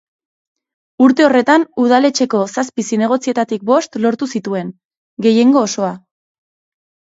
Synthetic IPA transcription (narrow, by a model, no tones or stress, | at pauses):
uɾt̪e̞o̞re̞t̪anuð̞ale̞t͡ʃe̞ko̞saspisine̞ɣ̞o̞t͡sie̞t̪at̪ik̚bo̞st̪lo̞ɾt̪usit̪ue̞n | ɡe̞je̞ŋɡo̞ːso̞a